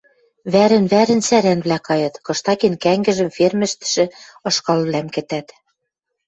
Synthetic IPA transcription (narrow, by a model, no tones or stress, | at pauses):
βæɾɘ̆nβæɾɘ̆nsæɾænβlækɑjɤ̆t̪kɤ̆ʃt̪ɑkenkæŋɡɘ̆ʒɘ̆mfermɘ̆ʃt̪ɘ̥̆ʃɘ̆ɤ̆ʃkɑlβlæmkɘ̆t̪æt̪